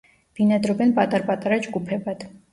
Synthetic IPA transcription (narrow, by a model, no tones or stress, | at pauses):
b̥inɑd̪ɾɔbɛnpʼɑt̪ʼɑɾpɑt̪ʼɑɾɑt͡ʃɡupʰɛbɑd̪